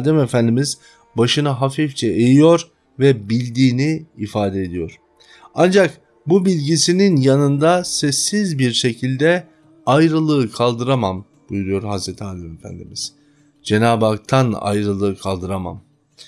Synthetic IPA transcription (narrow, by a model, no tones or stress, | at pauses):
d̪ɛmefænd̪imiz | baʃɯnaɦafift͡ʃʰɛʔejijo̞ɾ | vɛbilʲd̪iːniːfaːd̪ɛed̪ijo̞ɾ̥ | and͡ʒak | bubilʲɟisininjanɯnd̪asɛsːizbiɾʃe̞cʰilʲd̪ɛ | ajɾɯlˠɯkʰalˠd̪ɯɾamam | b̥ujuɾujo̞ɾhazɾet̪ʰiaːd̪ɛme̞fæ̰nd̪ḭmiz̥ | d͡ʒe̞naːbak̚t̪ʰana̰jɾɯlˠɯːkʰalˠd̪ɯɾama̰m